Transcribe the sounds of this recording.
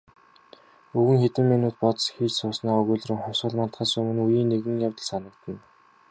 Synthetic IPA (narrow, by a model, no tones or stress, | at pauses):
uɣɘ̆ŋxet̪ɘ̆mːinuːt̪̚pɔt̪sxiːt͡ɕsʊːsnaːɵɣuːɮrɘ̆ŋχɔsə̆ɮmant̪χaːsɵmɘ̆nujiːnːeɣɘ̆ŋjawʲt̪ə̆ɮsanə̆k̚t̪ə̆n